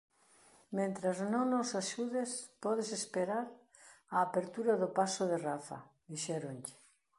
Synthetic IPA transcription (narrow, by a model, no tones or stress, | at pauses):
mẽnt̪ɾaznõŋnosaʃuðespɔð̞esespeɾaɾ | aːpeɾt̪uɾaðʊpasoðerafa̰ | ðiʃɛɾonʎɪ̥